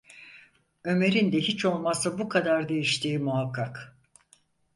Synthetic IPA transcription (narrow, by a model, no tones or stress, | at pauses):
ø̞me̞ɾind̪ɛɦit͡ʃʰo̞lˠmasɯbukʰad̪aɾd̪e̞jiʃt̪ʰiːmuɦakʰːak